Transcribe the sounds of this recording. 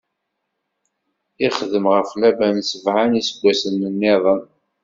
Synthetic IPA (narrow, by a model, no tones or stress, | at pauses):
ɪχðəmʁəflæbænsəvʕanisəɡʷːæsənːənːɪðˤən